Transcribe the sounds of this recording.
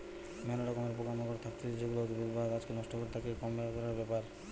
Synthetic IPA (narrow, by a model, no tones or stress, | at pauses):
mɛnoɾɔkomeɾpokamokoɾet̪ʰak̚t̪ʰed͡ʑeɡulot̪ubibadad͡ʑkenɔʃʈokoɾet̪ʰakekɔmːekɔɾaɾbɛpaɾ